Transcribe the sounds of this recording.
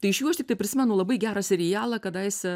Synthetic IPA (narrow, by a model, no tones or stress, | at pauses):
t̪ɐɪɪʃjuːɐʃt̪ʲɪkt̪ɐɪpʲɾʲɪsʲɪmʲɛnʊlˠɐbɐɪɡʲæːɾɐsʲɛɾʲɪjæːlˠɐkɐd̪ɐɪsʲɛ